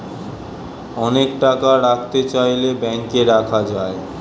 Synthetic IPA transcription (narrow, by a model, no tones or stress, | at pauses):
ɔnekʈakaɾak̚ʰt̪et͡ɕajlebɛŋkeɾakʰad͡ʑae